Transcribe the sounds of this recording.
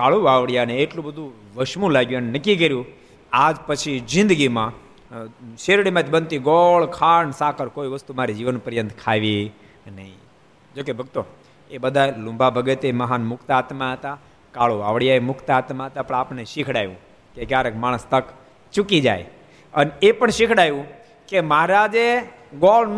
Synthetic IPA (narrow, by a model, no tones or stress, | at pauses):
kaɭuaʋɽjaneːʈlũbəd̪ʱũ | ʋəʃmũlaɡjuənenəkːik̬əɾjũ | ad͡ʒpət͡ʃʰid͡ʒɪ̃nd̪ɡimã | ʃeɾɽimãt̪ʰibənt̪iɡɔɭkʰaɳsakʰəɾkoiʋəst̪umaɾid͡ʒiʋənpəɾjənt̪kʰaʋi | nəɦḭ̃ | d͡ʒokebʱəɡt̪o | ebəd̪ʱalũmbʱabʱəɡet̪eməɦanmʊkʰt̪aːt̪maɦət̪a | kaɭoa̰ʋɽijaemʊkʰt̪at̪maɦət̪apə̃ɳapneʃikʰɽajʋũ | kekjaɾekmaɽ̃əst̪ək | t͡ʃukid͡ʒa̰j | ənepəɳʃɪkʰɽajũ | keməɦaɾad͡ʒe | ɡɔl